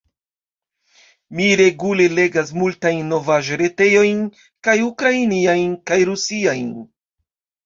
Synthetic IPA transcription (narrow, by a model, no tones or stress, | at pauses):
miɾe̞ɡule̞le̞ɡas̬multajnːo̞vaʒɾe̞te̞jo̞jn | kajukɾainiajnkajɾusiajn